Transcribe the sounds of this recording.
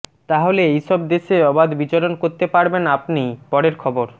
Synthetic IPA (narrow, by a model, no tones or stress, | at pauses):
t̪aɦoleejʃɔbd̪eʃeɔbad̪bit͡ɕoɾonkoɾt̪epaɾbenapnijpɔɾeɾkʰɔboɾ